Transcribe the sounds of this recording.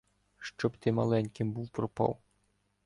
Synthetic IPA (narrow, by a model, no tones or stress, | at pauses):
ʃt͡ʃɔbt̪ɪmɐlˠɛnʲkɪmbuwpɾɔpɑ̰w